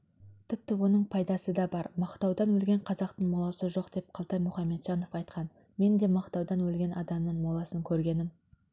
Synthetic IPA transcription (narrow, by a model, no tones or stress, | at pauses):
t̪ʰɪp̚t̪ɪwo̞nəɴpʰɑjd̪ɑsəd̪ɑbɑɾmɑqt̪ɑwd̪ɑnwɵlɡʲe̞ɴqʰɑzɑqt̪əɴmolˠɑwsəʒo̞qd̪e̞p̚qʰɑlˠt̪ɑjmʊχɑmːe̞t̪ʒ̥ɑno̞fɑjt̪qɑn | me̞nd̪e̞mɑqt̪ɑwd̪ɑnwɵlɡʲe̞nʔɑd̪ɑmnəɴmolˠɑsəŋkʲʰɵɾɡʲe̞nɪm